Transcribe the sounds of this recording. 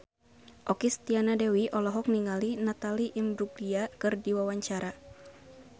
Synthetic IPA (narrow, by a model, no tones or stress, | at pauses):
ʔɔkist̪ianadɛwiʔɔlɔɦɔk̚niŋalinat̪aliʔimduɡdiakɨrdiwawaɲt͡ʃaɾa